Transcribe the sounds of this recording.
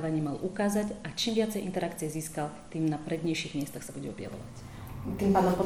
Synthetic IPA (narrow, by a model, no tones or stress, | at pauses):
ʋaɲɪɛmalʔukaːzacat͡ʃiːmʋɪat͡sɛjʔint̪ɛɾakt͡sijɛziːskalt̪iːmnapɾɛd̪ɲɛjʃiɣmɪɛst̪axsabuɟɛɔbɪja̰ʋɔ̰ʋa̰c | t̪iːmpaːd̪ɔmpɔ